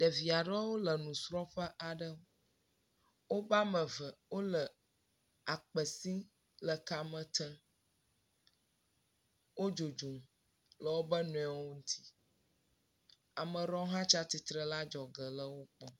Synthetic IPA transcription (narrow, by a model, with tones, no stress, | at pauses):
ɖ̥ə˨vi˨a˨ɖə˦wo˦lə˨nũ˨sɾɔ˦ɸə˦ʔa˨ɖə˦ | wo˦ba˦mə̃˨və˨wo˦lə˨ | a˨k͡pə˨si˦ | lə˨ka˨mə̃˨t̪ə˦ | wo˦d͡ʒo˨d͡ʒu˨m | lə˨wo˦bə˦nũ˨ɛ˨˦˨wo˦ŋũ˦t̪ʰi̥˦ | a˨mə̃˨ɾɔ˦ɦã˦t͡ʃa˦t̪i˨t̪ɾə˦la˦d͡ʒɔ˨ɡə˨lə˦wo˦k͡pɔ˦